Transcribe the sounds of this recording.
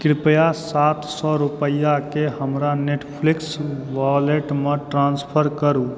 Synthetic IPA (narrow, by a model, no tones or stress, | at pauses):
kɾipəjasat̪sɔɾupəjakeɦəmɾaneʈʰpʰliksʋaleʈmeʈɾanspʰəɾkəɾu